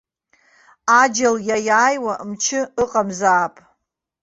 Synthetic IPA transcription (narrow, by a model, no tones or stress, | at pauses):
ad͡ʒaljajaːjwamt͡ʃʰɪɨqʼamzaːpʼ